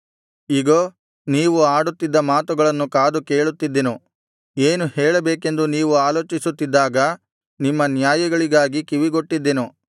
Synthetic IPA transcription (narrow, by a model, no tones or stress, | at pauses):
iɡoː | niːʋuaːɽut̪ːid̪ːɐmaːt̪uɡɐɭɐnːukaːd̪uke̞ːɭut̪ːid̪ːenu | eːnuheːɭɐbeːke̞nd̪uniːʋuaːlo̞ːt͡ʃisut̪ːid̪ːaːɡɐ | nimːɐnjaːjɐɡɐɭiɡaːɡikiʋiɡoʈːid̪ːenu